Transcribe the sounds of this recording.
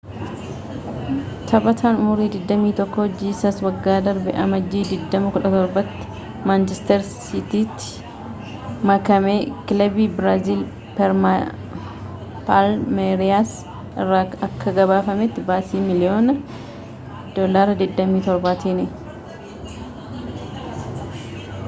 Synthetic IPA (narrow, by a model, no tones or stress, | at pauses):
t̪ʰɐbɐt̪ʰaːnʊmʊɾiːd̪ɪd̪ːɐmiːt̪ɔkːɔhɔd͡ʒːiːsɐswɐɡːaːd̪ɐɾbɛʔɐmɐd͡ʒːiːd̪ɪd̪ːɐmʊkʊᶑɐt̪ɔɾbɐt̪ːɪ̥ | maːnt͡ʃɛst̪ɛɾsɪt̪iːt̪ːɪ̥ | mɐkɐmeːkɪlɐbibɾaːziːl | pɛɾma | palmeɾɪaːs | ɪrːaɐkːɐɡɐbaːfɐmɛt̪ːɪbaːsiːmɪlɪoːnɐ | d̪̥oːlaːɾɐd̪ɪd̪ːɐmiːt̪ɔɾbaːt̪iːnɛ